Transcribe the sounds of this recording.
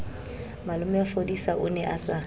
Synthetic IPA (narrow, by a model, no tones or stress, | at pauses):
malʊmɛafodisaʔʊnɛʔasa